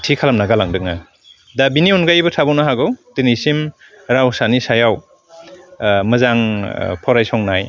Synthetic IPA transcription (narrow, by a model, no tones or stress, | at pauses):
tʰikʰalamnaɡalaŋdɯk̚na | dabiniunɡajbɯtʰabɔwnaɦaɡɯwtinisim | ɾawsanisajaw | mɯzaŋpʰɔɾajsɔŋnaj